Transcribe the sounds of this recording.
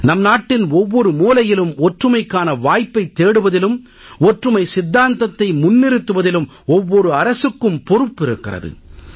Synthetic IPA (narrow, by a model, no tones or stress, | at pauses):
nɐmnaːʈːɪnɔʋːɔɾɯmuːlɐjɪlɯmɔʈrɯmɐɪkːaːnɐʋaːjpːɐɪt̪ːeːɽɯʋɐðɪlɯm | ɔʈrɯmɐɪsɪd̪ːaːnt̪ɐt̪ːɐɪmʊnːɪɾɯt̪ːɯʋɐðɪlɯm | ɔʋːɔɾɯɐɾɐsɯkːɯmpɔɾɯpːɪɾɯkːɪrɐ̰ðɯ̰